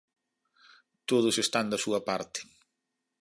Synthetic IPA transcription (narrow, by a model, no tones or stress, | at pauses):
t̪oðʊsest̪and̪ɐsuɐpaɾt̪ɪ̥